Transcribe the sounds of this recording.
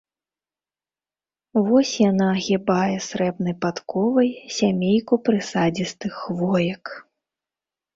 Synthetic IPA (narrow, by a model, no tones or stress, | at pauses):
vɔsʲjanaɣʲibajɛsɾɛbnɐjpat̪kɔvɐjsʲamʲejkupɾɨsad͡zʲist̪ɨxvɔjɐk